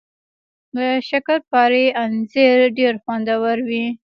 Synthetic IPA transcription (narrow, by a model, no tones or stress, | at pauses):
ləʃakaɾpɑɾeanzeɾɖeɾxwand̪awaɾwi